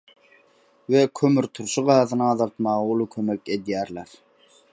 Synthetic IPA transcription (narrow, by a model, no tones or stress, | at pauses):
wekʲʰømyɾt̪ʰuɾʃɯʁɑːðɯnɯɑðɑlˠt̪mɑʁɑulˠukʰømekʲed̪jæːɾlæɾ